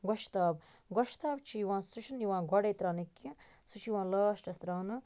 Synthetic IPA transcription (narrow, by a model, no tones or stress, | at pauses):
ɡɔʃʰt̪aːb | ɡɔʃt̪aːbt͡ʃʰijiʋãːsuʃʰɐnjiʋãːɡɔɽeːt̪ɾaːnɐkʲːĩ | sut͡ʃʰijʋãːlaːʃʈɐst̪ɾaːnɨ